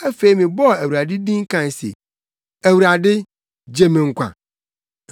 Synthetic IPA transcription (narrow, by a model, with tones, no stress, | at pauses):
ɛ˦fe˦i˦mĩ˨bɔ˦˨æ˨wu˨ɾa˨dɪ˦dĩ˦ŋ̩˦kã˨n˨sḛ˨ | æ˨wu˨ɾa˨dɪ˦ | d͡ʑe˨mĩ˨ŋ̩˨kʷʰã̰˨